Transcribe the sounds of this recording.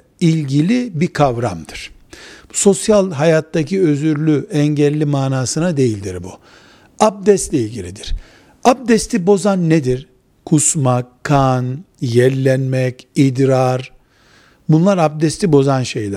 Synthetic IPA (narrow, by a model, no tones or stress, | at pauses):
ilʲɟilʲibikʰavɾamd̪ɯɾ̥so̞sjalˠɦajat̪ʰːacʰiøzyɾlʲyʔɛɲɟɛlʲːimaːnaːsɯnad̪e̞jilʲd̪iɾbu | ab̚d̪ɛst̪lʲɛilʲɟilʲid̪iɾ̥ | ab̚d̪ɛst̪ʰibo̞zanːed̪iɾ | kʰusmakʰːan | jɛɾlʲːɛnmɛcid̪ɾaɾ | bunlˠaɾab̚d̪ɛst̪ʰibo̞zanʃejlʲæ